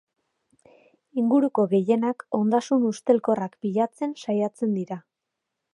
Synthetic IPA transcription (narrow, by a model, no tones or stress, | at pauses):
iŋɡuɾuko̞ɣe̞je̞nako̞nd̪asunust̪e̞lko̞rakbiʎat͡se̞nsajat͡se̞nd̪iɾa